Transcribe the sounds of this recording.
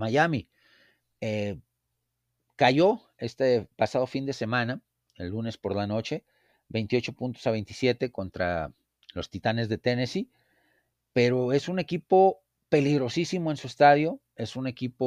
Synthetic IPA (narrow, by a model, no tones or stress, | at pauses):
maʝami | e | kaʝo̞ | e̞st̪epasað̞o̞find̪e̞se̞mãna | ḛlːune̞spo̞ɾlano̞t͡ʃe̞ | βe̞jnt̪io̞t͡ʃo̞punt̪o̞saβe̞jnt̪i̥sje̞t̪e̞ko̞nt̪ɾa̰ | lo̞st̪it̪ane̞zðe̞t̪e̞nesi | pe̞ɾo̞e̞sune̞kipo̞ | pe̞liɣɾo̞sisimo̞ensue̞st̪aðjo̞ | e̞sune̞kipo